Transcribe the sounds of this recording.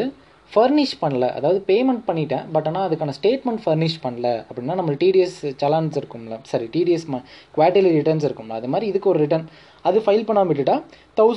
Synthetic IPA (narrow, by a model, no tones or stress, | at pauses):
ɯ | fɐɾnɪʂʈpɐɳːɐlɐ̰ʔɐ̰ðaːʋɐðɯpeːmɛɳʈ̚pɐɳːɪʈːḛ̃ːbɐʈːaːnːaːɐðɯkːaːnɐsʈeːʈmɛɳʈfɐɾnɪʂʈpɐɳːɐlɐɐpːɐɽɪnːaːnɐmːɐʈiːɖijɐst͡ʃɐlɐnɖsɪɾɯkːɯmlɐsɐɾiʈiːɖijɐsmakʋaːʈɪlɐɾɪʈɐɾns̬ɪɾɯkːɯmlɐɐðɯmaːd̪ɾiɪðɯkːɯɔɾɯɾɪʈɐɾn | ɐðɯfɐɪlpɐɳːaːmɪʈ̬ːɪʈːaːt̪ɐʊ